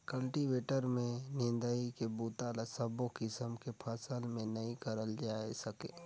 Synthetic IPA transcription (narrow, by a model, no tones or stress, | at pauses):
kəlʈibeːʈəɾmẽnɪ̃nd̪əikebuːt̪aːlasəbokɪsəmkepʰəsəlmẽnɐĩkəɾəld͡ʒaːesɐkḛ